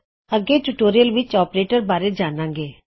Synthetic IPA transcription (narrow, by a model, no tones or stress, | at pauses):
əɡeːʈuʈoːɾijəlʋɪt͡ʃɔːpɾeːʈəɾbaːɾeːd͡ʒaːnãːŋɡeː